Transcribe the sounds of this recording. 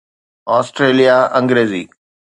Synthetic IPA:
ɔːsʈɾeːlijaɐ̃ŋɡɾeːzḭː

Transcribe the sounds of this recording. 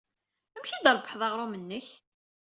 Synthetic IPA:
əmçid̪əɾbəħðˤɑʁɾˤumənːəç

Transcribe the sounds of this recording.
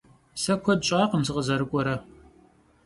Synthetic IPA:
sɐkʷʰɔd̚ɕʼaːqəmsɨqəzɐɾɨkʷʼɔɾɐ

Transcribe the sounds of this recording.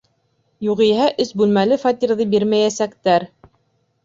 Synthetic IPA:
juʁijɦæʔɵsbʉlmælɘfɑt̪ʲiɾðɤbiɾmæjæsækt̪æɾ

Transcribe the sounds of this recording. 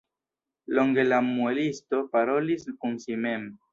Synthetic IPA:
lo̞ŋɡe̞lamue̞listo̞paɾo̞liskunsime̞m

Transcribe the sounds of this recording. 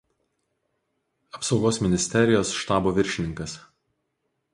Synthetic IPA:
ɐpsɒʊɡoːsmʲɪnʲɪsʲt̪ʲɛɾʲɪjoːsʃt̪ɑːboːʋʲɪɾʲʃʲɪnʲɪŋkɐs

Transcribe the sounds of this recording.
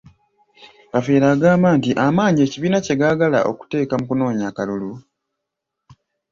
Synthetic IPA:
kafeːɾaːɡaːmaːntiʔamaːɲe̞ciβiːnace̞ɡaɡala̰ʔo̞̰ku̥te̞ːkamukuno̞ːɲaːkalulu

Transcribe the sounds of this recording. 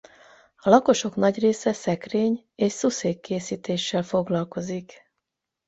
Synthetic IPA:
ɒlɒko̞ʃo̞knɒɟreːsɛsɛkreːɲ | eːʃsuseːkːeːsiːt̪eːʃːɛlfo̞ɡlɒlko̞zik

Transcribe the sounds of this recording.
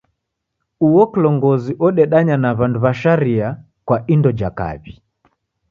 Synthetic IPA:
uɔkilɔŋɡɔziʔɔɗɛɗaɲanaβanduβaʃaɾia | kwaʔindɔd͡ʒaka̰βi

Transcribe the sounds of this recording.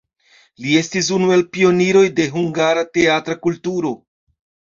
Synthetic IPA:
lie̞stis̬unue̞lpio̞niɾo̞jde̞ɦuŋɡaɾate̞atɾakultuɾo̞

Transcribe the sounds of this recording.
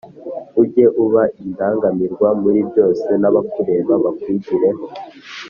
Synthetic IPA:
uɟe̞ʔuβaʔindaːŋɡamiɾɡwamuɾibɟo̞ːse̞naβakuɾe̞βaβakwiɟiɾe̞ɦo

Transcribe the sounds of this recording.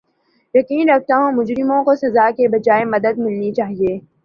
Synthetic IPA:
jɐqiːnɾɐk̚t̪aɦũmʊd͡ʒɾɪmõkosɐzaːkebɐd͡ʒaːemɐd̪əd̪mɪlnit͡ʃaːɦieː

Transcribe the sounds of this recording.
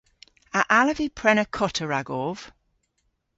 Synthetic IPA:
əʔaləvipʰɹ̥ɛnəkʰɔtʰəɹaɡɔv̥

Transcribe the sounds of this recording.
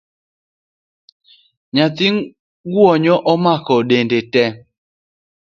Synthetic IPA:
ɲat̪iŋ | ɡwɔɲɔʔɔmakɔɗendetɛ

